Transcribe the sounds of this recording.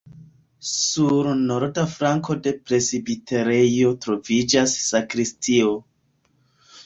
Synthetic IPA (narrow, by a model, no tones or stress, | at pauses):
suɾnoɾdafɾaŋko̞de̞pɾe̞sibitʰeɾejo̞tɾo̞vid͡ʒasːakɾistʰio̞